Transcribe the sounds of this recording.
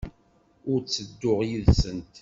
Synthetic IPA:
ʊɾt͡sːəd̪ːʊʁjiðsənt̪

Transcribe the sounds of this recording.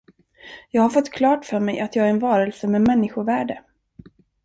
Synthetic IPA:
jɑːɡhaɾfɔt̪ːkʰlɑːʈfœːɾmɛjʔat̪jɑːɡæɾɛnvɑːɾəlsəmɛmɛnːɪɧʊɾvæːɖə

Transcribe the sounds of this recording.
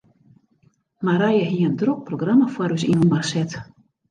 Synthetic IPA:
maɾajəɦiəndrok̚proɡramafwaɾys̬inunmarsɛt

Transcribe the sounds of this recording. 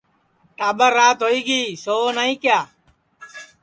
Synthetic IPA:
ʈaːbəɾːaːt̪ɦoːiːɡiːsoːnaːĩːkjaː

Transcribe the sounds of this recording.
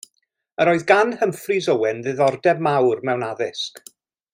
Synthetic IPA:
əɾoːɨðɡanhəmfrizəwɛnðɨðɔrdɛbmawrmɛwnaðɪsk

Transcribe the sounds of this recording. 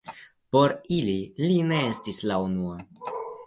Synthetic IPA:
po̞ɾililine̞estislaunua

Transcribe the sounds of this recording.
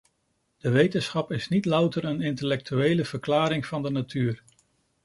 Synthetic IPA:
d̥əʋejtənsχɑpɪsnitlʌwtəɾənɪntəlɛk̚tyejləv̥əɹklaːɾɪŋv̥ɑndənatyːr

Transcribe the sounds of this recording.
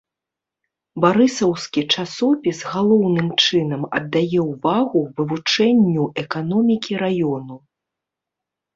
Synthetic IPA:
baɾɨsɐwskʲit͡ʂasɔpʲizɣalˠɔwnɨmt͡ʂɨn̪ɐmɐ̰d̪ːajɛwvaɣuvɨvut͡ʂɛnʲːuʔɛkanɔmʲikʲiɾajɔnu

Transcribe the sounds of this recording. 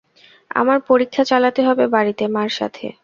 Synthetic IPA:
a̰maɾpoɾikʰːat͡ɕalat̪eɦɔbebaɾit̪emaɾʃa̰t̪ʰḛ

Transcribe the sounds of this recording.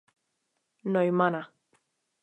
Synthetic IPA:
nɔjmana

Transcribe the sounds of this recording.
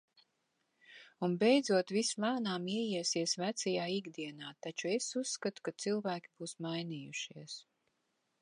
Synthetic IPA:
unbejd̪zuɔt̪vismaːnaːmiɛjiɛsiɛsvæt̪sɛjaːiɡd̪iɛnaːt̪at͡ʃuesusːkat̪u̥kat̪silˠvæːkʲibuːsmajniːjuʃiɛs

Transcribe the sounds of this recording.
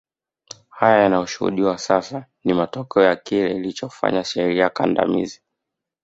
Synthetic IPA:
hajajanajɔʃuhṵɗiwasasanimatɔkɛɔjakilɛilit͡ʃɔfa̰ɲaʃɛɾiakanda̰mḭzi

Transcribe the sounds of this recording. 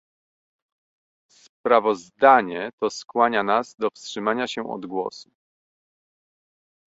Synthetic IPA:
spɾavɔzd̪aɲɛt̪ɔskwaɲanazd̪ɔfstʂɘmaɲaɕɛɔ̰d̪ɡwɔ̰su

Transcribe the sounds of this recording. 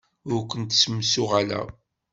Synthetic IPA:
ʊɾkʷənt̪səmːsʊʁalæ̰

